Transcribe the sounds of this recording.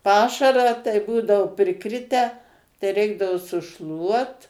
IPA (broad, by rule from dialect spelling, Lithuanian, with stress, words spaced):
ˈpɑːʃɐrɑː tɐɪ ˈbuːdɐoː pʲrʲɪˈkrʲɪtʲæː tɐɪ ˈrʲɛɪɡdɐʋoː sʊˈʃlˠuɔt